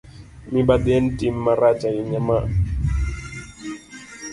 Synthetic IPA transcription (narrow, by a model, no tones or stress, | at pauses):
mibadɛn̩timːaɾat͡ʃaiɲama